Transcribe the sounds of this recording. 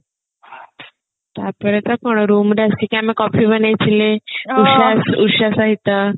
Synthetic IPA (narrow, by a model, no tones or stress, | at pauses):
t̪apəɾet̪əkoɳ̃ɾuːmdeask̪ikãmikɔfibənat͡ɕileuɕasuɕasaɦit̪ə